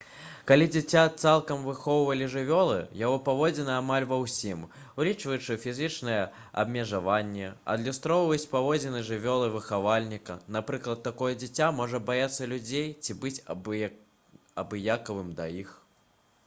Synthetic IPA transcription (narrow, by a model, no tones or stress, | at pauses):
kalʲid͡zʲɛt͡sʲat̪salˠkɐmvɨxɔwvɐlʲiʐɨvʲɔlˠɨ̰jaɣɔpavɔd͡zʲɛnɐamalʲvɐwsʲim | wlʲit͡ʂvɐjut͡ʂɨfʲizɨt͡ʂnɐjɛ | ɐ̰bmʲɛʐavanʲːɛɐ̰d̪lʲust̪ɾɔwvɐt͡sʲpavɔd͡zʲɛnɨʐɨvʲɔlˠɨvɨxavalʲnʲikɐnapɾɨklˠɐt̪ːakɔjɛd͡zʲɛt͡sʲamɔʐɐbajat̪sːɐlʲud͡zʲejt͡sʲibɨt͡sʲ | ɐbɨjakɐvɨmd̪ɐ̰jix